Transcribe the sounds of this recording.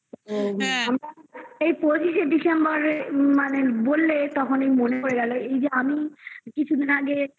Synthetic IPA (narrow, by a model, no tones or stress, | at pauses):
oɦamɾaejpod͡ʑiʃeɖisembaɾmanebolːet̪ɔkʰonejmonekoɾeɡɛloejd͡ʑeamikit͡ɕʰud̪ʱinaɡe